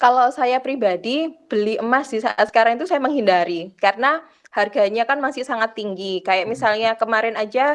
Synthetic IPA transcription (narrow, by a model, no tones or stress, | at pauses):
kalosajapɾibadib̥əliʔəmasdisasə̥kaɾaŋit̪usajaməŋhindaɾikarəna | harɡaɲakanmasɪhsaŋat̪ːiŋɡikajaʔ̚misalɲakəmaɾɛnad͡ʒa